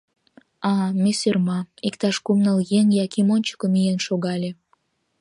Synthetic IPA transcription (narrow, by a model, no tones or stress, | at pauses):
ɑmesørmɑikt̪ɑʃkumnəljeŋjɑkimonʲt͡ɕə̥kə̆mijenʃoɣɑlʲe